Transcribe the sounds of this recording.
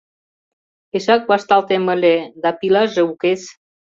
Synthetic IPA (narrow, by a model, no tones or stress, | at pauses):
esak̚bast̪alt̪eməled̪apilazeukes